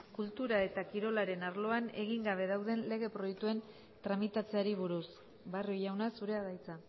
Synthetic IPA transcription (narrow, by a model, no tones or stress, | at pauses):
kult̪uɾae̞t̪akiɾo̞laɾe̞naɾlo̞ane̞̰ɣ̞iŋɡaβ̞e̞ð̞awð̞e̞nle̞ɣ̞e̞pɾo̞jek̚t̪ue̞n | t̪ɾamit̪at͡seaɾiβuɾus | barjojawnasuɾe̞aðajt͡sa